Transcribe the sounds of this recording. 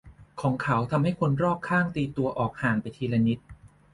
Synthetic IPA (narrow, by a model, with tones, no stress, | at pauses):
kʰɔː˩˦ŋkʰa˩˦wt̪ʰa˧mha˥˩jkʰo˧nɾɔː˥˩p̚kʰaː˥˩ŋt̪iː˧t̪u˧ɐʔɔː˨˩k̚haː˨˩ŋpa˧jt̪ʰiː˧la˧ni˦˥t̪̚